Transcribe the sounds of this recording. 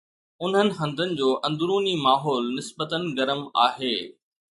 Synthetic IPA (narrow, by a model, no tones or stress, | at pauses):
ʊn̤ənɪ̆ɦɐ̃nd̪ʱənɪ̆d͡ʑoːʔɐ̃nd̪ɾuːnimaːɦɔːlnɪsbət̪ənɪ̆ɡɐɾəma̰ːɦeː